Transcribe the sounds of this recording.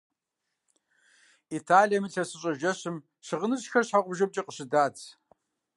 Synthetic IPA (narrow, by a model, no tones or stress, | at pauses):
itʰaːlijɐmɨɬʰɐsɨɕʼɐʒɐɕɨm | ɕɨʁənɨɕxɐrɕħaqʷʼʊbʒɐb̚t͡ʃʼɐqʼəɕɪdaːt͡sʰ